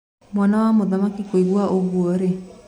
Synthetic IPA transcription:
mwanawamoðamakikoiɡuaʔoɡuɔɾe

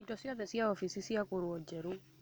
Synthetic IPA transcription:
itɔsiɔðɛsiaɔfisisiakuɾwɔd͡ʒɛɾu

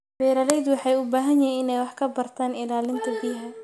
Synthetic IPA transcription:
bɛːɾɐlɛjd̪wɑħɑjʊbaːɦɐnjɐɛɪnɛjwɑħkʰɐbɐrt̪ʰaːnɪlaːlɪnt̪ʰɐbiːɦɐ

